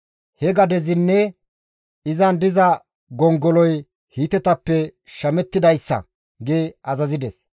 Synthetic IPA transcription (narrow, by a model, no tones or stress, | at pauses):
hɛɡɐd̪ɛzɪnːɛ | ɪzɐnd̪ɪzɐ | ɡɔŋɡɔlɔj | hiːt̪ɛt̪ɐpːɛʃɐmɛt̪ːɪd̪ɐjsːɐ̰ | ɡeːʔɐzɐzɪd̪ɛs